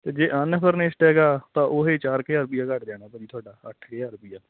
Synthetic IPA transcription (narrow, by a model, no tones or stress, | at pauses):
t̪eːd͡ʒeːʔənpʰəɾneːsʈɦɛːɡaːt̪ãːʔoɦeːt͡ʃaːɾkɪjaːɾbiːaːkəʈd͡ʒɛːɽ̃aːpəd͡ʒiːt̪ʰoaːɖaːə̰ʈʰkeaːɾbiːjaː